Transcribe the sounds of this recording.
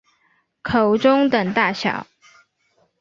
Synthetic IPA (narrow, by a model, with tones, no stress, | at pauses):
kʰo˨˩ʊʈ͡ʂʊ˥ŋt̪ə˨˩ŋt̪a˥˩ɕjɑ̰˨˩˦ʊ